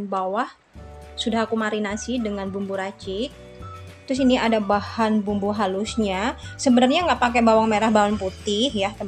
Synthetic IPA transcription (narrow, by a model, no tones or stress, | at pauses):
nbawah | sudahakumaɾinasɪhdəŋanbumbuɾat͡ʃɪk̚ | t̪ɾʊs̬iniadabahanbumbuɦalusɲasəbənarɲaŋɡaʔpakɛbawaŋmeɾahbaɦanput̪ɪhjat̪ə